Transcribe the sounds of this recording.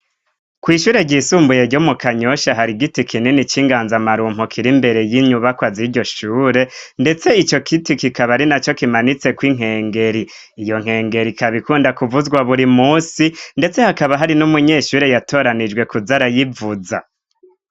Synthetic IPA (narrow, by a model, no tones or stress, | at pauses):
kwiːʃuːɾe̞ɟisuːmbuje̞ɟomukaɲo̞ʃaɦaɾiɡitikʰininit͡ʃiːŋɡaːnzamaɾuːm̥okʰiɾimbe̞ɾe̞jiɲuβakwaziɾɟo̞ʃuːɾe̞nde̞t͡se̞it͡ʃo̞kʰitikikaβaɾinat͡ʃo̞kimanit͡se̞kwiŋ̥ɦe̞ːŋɡe̞ɾiː | jo̞ŋ̥he̞ːŋɡe̞ɾikaβikuːndakuvuzɡwaβuɾimuːsinde̞t͡se̞hakaβaɦaɾinumuɲe̞ːʃuːɾejatʰo̞ːɾanid͡ʒɡwe̞kuzaɾajivuza̰